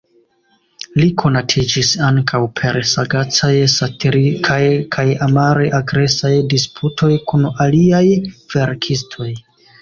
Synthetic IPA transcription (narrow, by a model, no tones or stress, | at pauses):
likʰo̞natʰid͡ʒisaŋkʰawpʰe̞ɾsaɡat͡sajsatiɾikʰajkʰajamaɾeʔaɡɾe̞sajdispʰutʰo̞jkunaliajv̥e̞ɾkʰistʰo̞j